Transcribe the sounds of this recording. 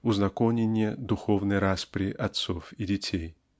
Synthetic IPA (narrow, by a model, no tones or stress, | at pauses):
uznakɔnʲenʲːɛd̪uxɔwnɨjɾaspɾʲiʔat̪sɔfid͡zʲɛt͡sʲej